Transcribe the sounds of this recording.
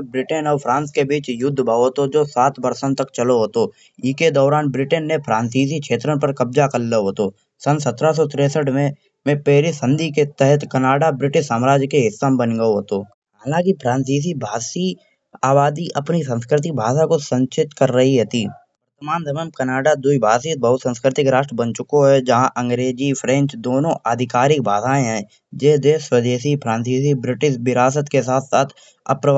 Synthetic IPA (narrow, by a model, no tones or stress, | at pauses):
bɾɪʈənɔːɾpʰɾãːnskebiːt͡ʃjʊd̪ʱːbaːot̪od͡ʒoːsaːt̪ʰbɐɾsənt̪ɐkt͡ʃɐloɦoːt̪o | ɪked̪ɔːɾaːnbɾɪʈənːẽpʰɾãːnsiːs̬ikʃʰeːt̪ɾənpəɾkɐbd͡ʒakɐlːeɦoːt̪oː | sɐnsɐt̪ɾas̬ɔt̪ɪɾeːsəʈmẽ | mẽpɛːɦɾisə̃nd̪ʱiket̪ɛɦɛt̪kɐnaːɖabɾɪʈɪʃsaːmɾaːd͡ʒkeɦɪsːambənɡəoɦoːt̪o | ɦɦaːlãːkipʰɾãːnsiːs̬ibʱaːsi | aːbaːd̪iʔɐpnis̬ə̃nskɾɪt̪̬ɪk̚bʱaːʃakosə̃ɲt͡ʃɪt̪kɐɾːɐɦiɦɛt̪iː | ʊɾt̪əmaːnd̪ʱɐməmkɐnaːɖad̪uibʱaːsiːs̚bɐɦʊt̪sə̃nskɾɪt̪ɪkɾaːʃʈɾəbə̃nt͡ʃʊkoɦɛd͡ʒɐɦãʔɐ̃ŋɡɾeːd͡ʒipʰɾɛ̃ːnt͡ʃd̪oːnõʔaːd̪ʱɪkaːɾɪk̚bʱaːsaːẽɦɛ̃ː | d͡ʒeːd̪eːswəd̪eːʃipʰɾãːnsiːs̬ibɾɪʈɪʃ̬bɪɾaːs̬ət̪kes̬aːt̪ʰsaːt̪ʰ | ɐ̰pɾə